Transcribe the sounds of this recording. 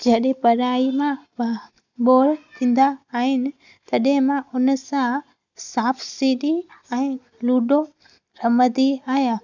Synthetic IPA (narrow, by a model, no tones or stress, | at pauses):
d͡ʑɐɗɪ̃pɐɾaːimã | ɓoːɾt̪ʰĩːn̆d̪aːɦɪnɪ̆ | t̪ɐɗɦɪ̃mãʔʊnəsã | saːfsiːɗiɛ̃ː | luːɖo | ɾɐməd̪iaːɦijaː